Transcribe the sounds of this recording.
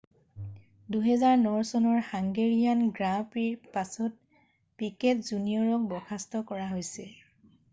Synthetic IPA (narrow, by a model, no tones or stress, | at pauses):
duɦɛzaɹnɔɹsɔnɔɹhaŋɡeɹijanɡɹapiɹpasɔt̚ | pikɛtzunijɔɹɔk̚bɔkʰastɔkɔɹaɦojsɛ